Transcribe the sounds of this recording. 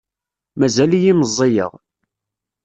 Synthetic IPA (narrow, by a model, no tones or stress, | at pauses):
mæzælijiməzˤːejə̰ʁ